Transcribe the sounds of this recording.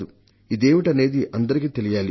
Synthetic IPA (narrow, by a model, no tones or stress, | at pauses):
u | id̪e̞ːʋiʈɐne̞ːd̪iʔɐnd̪ɐɾik̬iːt̪e̞lijaːli